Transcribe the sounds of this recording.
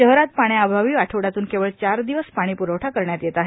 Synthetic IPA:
əɦɾat̪paɽ̃jabʱaʋiːʋaʈʰəʋɽat̪uːnkeʋəɭt͡ɕaɾd̪iʋəsspaɽ̃iːpuɾəʋʈʰakəɾɳjat̪jet̪aɦe

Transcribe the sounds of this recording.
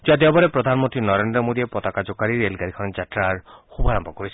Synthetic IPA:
d͡ʒad̪iɔbɔɾepɾɔd̪ʱanmɔont̪ɾinɔɾend̪ɾɔmod̪iepɔt̪akad͡ʒɔkaɾiɾelɡaɾikʰɔnɔd͡ʒat̪ɾaɾxubʱɔɾambɔkɔɾisʰi̥

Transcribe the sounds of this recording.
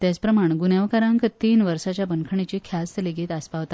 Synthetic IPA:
t̪jat͡spɾəmaɳ̃ɡunjaʋkaɾãŋkt̪iːnʋəɾsat͡ɕjabənkʰəɳ̃it͡ɕikʰjast̪leɡet̪aspaʋt̪a

